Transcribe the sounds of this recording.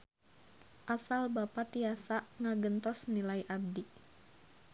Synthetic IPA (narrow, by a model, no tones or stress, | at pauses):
ʔasalbapat̪iasaʔŋaɡənt̪ɔsnilaiʔab̚di